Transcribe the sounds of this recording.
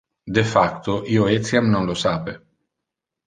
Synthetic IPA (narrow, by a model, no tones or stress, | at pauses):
d̪efakt̪oʔioet̪sjamnonlosape